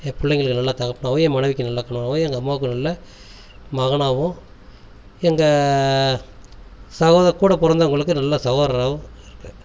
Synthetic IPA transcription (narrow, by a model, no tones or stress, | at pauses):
epʊɭːɐŋɡɐɭɯkːɯnɐlːaːt̪ɐɣɐpːɐɳaːʋʊ̃ɛ̃ːmɐnɐʋɪkʲːɯnɐlːɐkːɐɳɐɳaːʋʊ̃ɛŋɡɐːmːaːk̬ːɯnɐlːɐ | mɐɣɐɳaːʋʊ̃ | ɛŋɡɐ | sɐɣoːðɐkuːɽɐpʊɾɐnd̪ɐʊŋɡɐɭɯkːɯnɐlːaːsɐɣoːɾɐɾaːʋʊ̃ɪɾɯkːɯ̥